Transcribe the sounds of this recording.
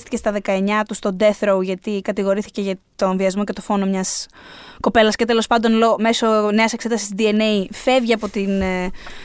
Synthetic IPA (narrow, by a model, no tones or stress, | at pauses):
t̪ice̞st̪ɐðe̞kɐe̞ɲɐt̪ust̪o̞d̪e̞θɾouʝɐt̪ikɐt̪iɣo̞ɾiθi̥ce̞ʝɐt̪o̞nviɐzmo̞ce̞t̪o̞fo̞no̞mɲɐsko̞pe̞lɐsce̞t̪e̞lo̞spɐnd̪o̞nlome̞so̞ne̞ɐsekse̞t̪ɐsi̥sd̪ie̞ne̞ife̞vʝiɐpo̞t̪in